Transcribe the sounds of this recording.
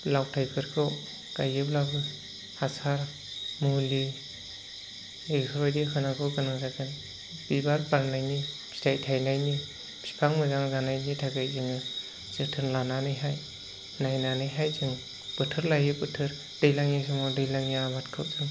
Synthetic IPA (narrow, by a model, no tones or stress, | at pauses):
lawtʰajkʰɯɾkʰɯw | kajɯplabɯ | hasaɾ | muli | esɾɔjdehɯnaɡʰɯwɡɯnaŋzaɡɯn | b̥ibaɾpaɾnajnipʰi̥tajtʰajnajni | pʰi̥pʰaŋmɯzaŋzanajnitʰaɡajzɯŋɯ | zɯtʰɯnlananɯjɦaj | najnanɯjɦajzɯŋ | b̥ɯtʰɯɾlajɯpɯtʰɯɾ | d̥ɯjlaŋjasʰɯmawdɯjlaŋaabatkʰɯwzɯŋ